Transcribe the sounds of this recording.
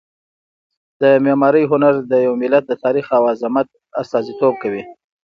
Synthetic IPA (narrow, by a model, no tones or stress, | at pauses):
d̪̥əmemɑɾəjɦʊnaɾd̪əjawmɪlat̪̚d̪ət̪ɑɾixawazɪmat̪̚ | ast̪ɑzit̪ob̚kawi